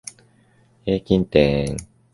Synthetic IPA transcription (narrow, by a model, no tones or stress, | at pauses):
heːkʲĩnt̪eŋ